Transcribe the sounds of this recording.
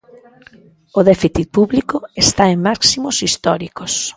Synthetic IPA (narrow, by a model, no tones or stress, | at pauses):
oðɛfiθit̪̚puβlikoest̪aeŋmaksimosist̪ɔɾikos